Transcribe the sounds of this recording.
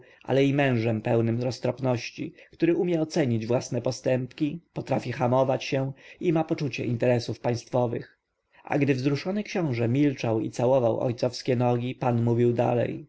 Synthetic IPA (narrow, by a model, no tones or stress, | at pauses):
ʔa̰lɛimɛ̃w̃ʐɛmpɛwnɘmɾɔst̪ɾɔpnɔɕt͡ɕikt̪uɾɘʔumʲjɛɔt̪sɛɲid͡ʑvwasnɛpɔst̪ɛmpkʲipɔt̪ɾafʲixamɔvat͡ɕɕɛimapɔt͡ʂut͡ɕɛ̰ʔint̪ɛɾɛsufpaj̃st̪fɔvɘ̰x | ʔa̰ɡd̪ɘvzɾuʂɔnɘkɕɔ̃w̃ʐɛmʲilt͡ʂawḭt̪sawɔvawʔɔ̰jt̪sɔfskʲɛnɔɡʲipanmuvʲiwd̪a̰lɛ̰j